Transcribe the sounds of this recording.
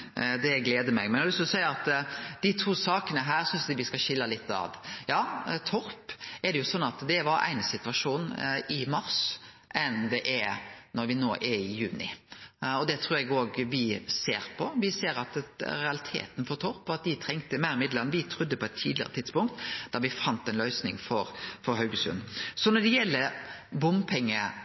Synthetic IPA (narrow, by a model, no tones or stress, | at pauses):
d̪ɛɡleːd̪əmɛɡmɛnɛlɪssæɪəɑt̪d̪̥ɪt̪ʰuːsɑːkənəɦæːɾsʏnsd̪ɪʋɪskɑɕɪlːɑlɪt̪ːɑ̰ʋjɑːt̪ʰɔɾpɛd̪ɛjʊsɔnːɑt̪d̪ɛʋɑɾæ̰ɪnəsɪt̪ʉʋɑʂuːnɪmɑɾs | ʔɛnd̪ɛʔɛɾnɔɾʋɪnoːʔɛɪjʉːnɪ̰ɔd̪ɛt̪ʰɾuːɾɛɡoːɡʋɪseːɾpʰɔʋɪseːɾɑt̪ɾɛɑlɪt̪ʰḛːt̪n̩fɔɾt̪ʰɔɾpːɔɑt̪̚d̪ɪt̪ʰɾɛŋt̪əmæɪɾɪmɪd̪ləɾnəʋɪt̪ʰɾʊd̪ːəpʰɔɛt̪ʰːḭːd̪lɪə̰ɾə̰t̪ʰɪd̪̥spʊŋk̚t̪d̪̥ɑɾʋɪfɑnt̪ɛnlœʏsnɪŋfɔɾfɔɾɦœʉɡəsʉ̰nːsɔnɔd̪ɛjɛlːəɾbʊmpʰɛŋːə